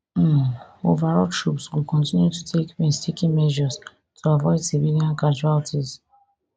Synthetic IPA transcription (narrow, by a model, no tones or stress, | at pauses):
ovaɹɔtʰɹupswikɔ̃ntĩnjutu̥tʰekwɛ̃nstikĩnmɛʒɔz | tʰuavɔɪdsiviliãnkad͡ʒualtʰiz